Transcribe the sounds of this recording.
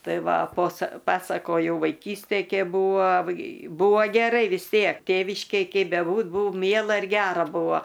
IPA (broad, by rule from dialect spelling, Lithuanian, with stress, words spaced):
ˈtɐɪ ˈʋɐ poːsɐ ˈpɑːsɐkoːjɛʊ ʋɐɪˈkʲiːsʲtʲeːj ˈkʲeːp ˈbuːʋɐ ˈbuːʋɐ ɡʲɛˈrɐɪ ʋʲɪs ˈtʲiɛk ˈtʲeːʋʲɪʃʲkʲeːj ˈkʲɛɪ bʲɛˈbuːt ˈbuːʊ ˈmʲiɛlˠɐ ɪr ˈɡʲæːrɐ ˈbʊʋoː